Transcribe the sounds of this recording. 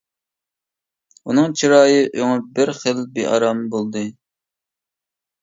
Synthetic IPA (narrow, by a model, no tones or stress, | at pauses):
unɨŋt͡ʃʰiɾɑːjɨʔøŋʊbɪɾχəlbeʔɑ̰ɾɑmbolˠd̪ɨ